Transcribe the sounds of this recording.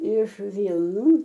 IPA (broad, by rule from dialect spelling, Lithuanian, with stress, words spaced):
ɪʃ ˈʋʲiːlˠnuː